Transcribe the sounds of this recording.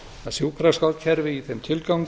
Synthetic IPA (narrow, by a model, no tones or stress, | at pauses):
asjuːwkʰɾaskaw̪cʰɛɾvɪiθɛmt̪ʰɪlkawŋk